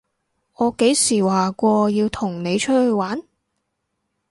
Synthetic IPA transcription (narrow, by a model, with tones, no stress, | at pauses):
ɔː˨˧ke˨˥jsiː˨˩waː˨˩kʷɔː˧jiː˧wt̪ʰʊ˨˩ŋne˨˧jt͡ʃʰɵ˥t̚hɵ˧ɥwaː˨˥n